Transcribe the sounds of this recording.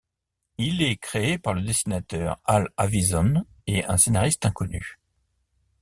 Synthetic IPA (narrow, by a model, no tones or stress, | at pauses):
ilɛkχeepaʁləd̪esinat̪œʁalavizɔn | eɛ̰̃senaʁist̪ɛ̃kɔny̰